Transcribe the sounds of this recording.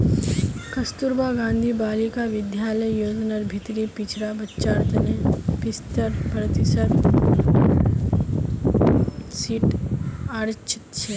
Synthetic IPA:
kɐst̪uɾbaɡãːnd̪ʱibaːlikaʋɪd̪jaːləjːoːd͡ʒnaɾbʱit̪ɾipit͡ʃʰɾabətːt͡ʃaːɾt̪ənepist̪əɾpɾɐt̪isət̪ | siːʈaːɾt͡ʃʰi̥t̪t͡ʃʰe

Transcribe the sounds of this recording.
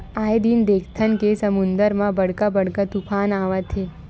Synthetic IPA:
aːed̪ind̪eːkʰt̪ʰənkesɐmʊ̃nd̪əɾmãbəɽkabəɽ̤kat̪upʰaːnaːʋat̪ʰe

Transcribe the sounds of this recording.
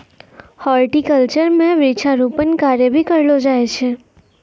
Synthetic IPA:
hɔlʈikəlt͡ʃəɾmẽʋit͡ʃʰaɾupənkaɾjəbʱikəɾlod͡ʒajt͡ʃʰe

